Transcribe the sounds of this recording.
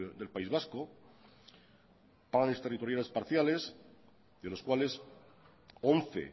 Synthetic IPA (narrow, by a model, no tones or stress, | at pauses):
d̪e̞lpaizβasko | paɣanest̪erit̪o̞ɾjale̞spaɾθjale̞s | ðelo̞skwale̞s | onθḛ